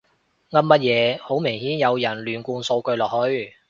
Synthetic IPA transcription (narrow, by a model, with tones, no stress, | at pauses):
ŋɐ˥mːɐ˥t̚jɛː˨˧ho˨˥wme˨˩ŋhiː˨˥njɐ˨˧wjɐ˨˩nlyː˨˩nkuː˧nso˧wkɵ˧ɥlɔː˨˩hɵ˧ɥ